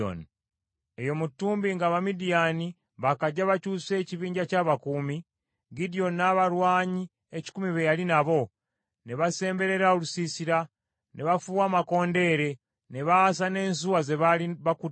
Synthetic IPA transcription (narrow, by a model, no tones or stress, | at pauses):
o̰n | ejo̞mutːuːmbiŋɡaβamidijani | βakaɟaβacuːse̞ːciβiːɲɟacaːβakumi | ɡidio̞nːaβaɾwaːɲi | eci̥kumiβejalinaβo̞ | neβase̞ːmbe̞ɾe̞ɾaolusisiɾa | nʔeβafuwaːmako̞ːnde̞ːɾe̞ | neβaasane̞ːns̬uwazeβaiβaku